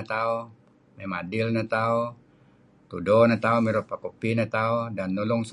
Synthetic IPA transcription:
t̪au | memadilnat̪au | t̪udɔnat̪aumiɾɔpakupinat̪audanːuluŋs

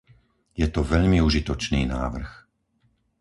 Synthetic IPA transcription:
jɛt̪ɔʋɛʎmiuʒit̪ɔt͡ʃniːna̰ːʋr̩x

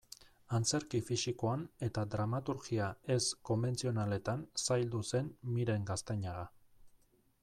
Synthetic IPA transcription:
ant͡se̞ɾkifisikoane̞t̪ad̪ɾamat̪uɾɣiae̞sko̞mbe̞nt͡sio̞nale̞t̪ansajld̪use̞nmiɾe̞ŋɡast̪eɲaɣa

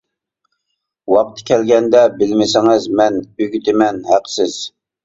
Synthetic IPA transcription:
wɑq̚t̪ʰɨ̥kʲʰɛlɡʲɛnd̪ɛbɪlmɪsɪŋɪzmɛnyɡʲyt̪ʰɪmɛnhæqʰsɪz̥

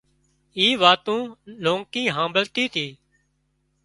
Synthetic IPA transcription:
iːʋaːt̪ũːlõːŋkĩːɦãːmbəlt̪iːt̪ʰiː

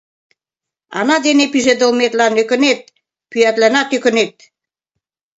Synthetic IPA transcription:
ɑ̰nɑd̪enepyʒed̪ə̆lmet̪lɑnøkə̆net̪̚ | pyæt̪lænɑt̪økə̆net̪̚

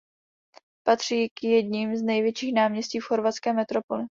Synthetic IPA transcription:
pat̪r̝̥iːkjɛdɲimznɛjvjɛt͡ʃiːxnaːmɲɛsciːfxo̞ɾvat̪t͡skɛːmɛt̪ɾo̞po̞lɪ

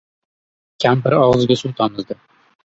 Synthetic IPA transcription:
kʲʰampɪɾɒʁzɨɡʲasut̪ʰɒmɨzd̪ɪ

